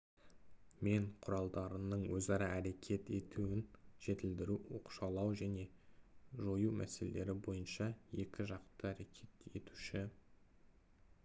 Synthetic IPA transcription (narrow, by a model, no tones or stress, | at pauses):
me̞ɴqʰʊɾɑlˠd̪ɑɾənəɴwɵzɑɾɑæɾe̞kʲʰe̞t̪e̞t̪ʰuɪnʒ̥e̞t̪ɪld̪ɪɾuo̰qʃɑlˠɑwʒæne̞ | ʒo̞jumʔæ̰se̞lḛle̞ɾɪbo̞jənʃɑje̞kʲɪʒɑqt̪əæɾe̞kʲʰe̞t̪e̞̰t̪u̥ʃɪ